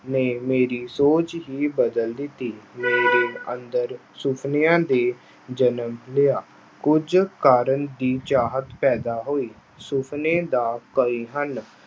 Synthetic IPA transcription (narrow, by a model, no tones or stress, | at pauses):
neːmeːɾiːsoːt͡ʃɦiːbəd̪əld̪ɪt̪ːiːmeːɾiːə̰nd̪əɾsʊpʰnijãːd̪eː | d͡ʒənəmleaː | kʊd͡ʒkaːɾənd̪iːt͡ʃaːɦət̪pɛːd̪aːɦoːiː | sʊpʰneːd̪aːkəiːɦən